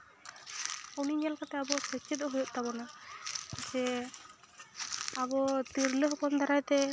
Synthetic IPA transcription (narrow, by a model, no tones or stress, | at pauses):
ɔwniɲalkat̪ɛabɔsɛt͡ʃʰːɛd̪ɔɦujɔʔ̪̚t̪abɔna | sɛ | abɔt̪iɾləɦɔkɔnd̪aɾajt̪ɛ